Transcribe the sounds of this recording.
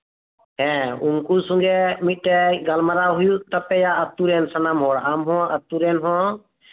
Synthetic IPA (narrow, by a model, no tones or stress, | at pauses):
ɦɛ̃ʊnkuːsũŋɡemiʈeɡəlməɾaːɦʊjut̪əpːejaət̪ːuːɾeːnsənaːmɦoːɽamɦõːət̪ːuɾeːnɦõː